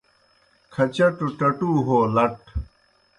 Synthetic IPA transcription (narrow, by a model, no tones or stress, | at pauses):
kʰɐt͡ɕɐʈoʈɐʈuːɦoːlɐʈ